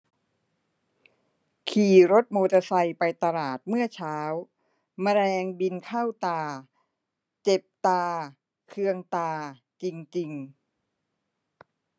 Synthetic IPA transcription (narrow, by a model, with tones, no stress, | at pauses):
kʰiː˨˩ɾo˦˥t̪̚moː˧t̪a˧sa˧jpa˧jt̪a˧laː˨˩t̪̚mɯ˥˩ɐt͡ɕʰaː˦˥w | ma˧ɾɛː˧ŋbi˧nkʰa˥˩wt̪aː˧ | t͡ɕe˨˩p̚t̪aː˧ | kʰɯ˧əŋt̪aː˧ | t͡ɕi˧ŋt͡ɕi˧ŋ